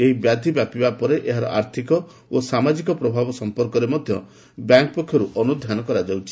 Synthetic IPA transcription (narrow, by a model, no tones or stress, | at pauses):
eɦibjad̪ʱibjapibapɔɾeʔeɦaɾɔ̰ʔaɾt̪ʰikɔ | osamad͡ʒikɔpɾɔbʱabɔsɔmpɔɾkɔɾemɔd̪ʱjɔ̰ | bjaŋkɔpɔkʰjɔɾuʔɔnud̪ʱjanɔkɔɾad͡ʒawt͡ʃʰi̥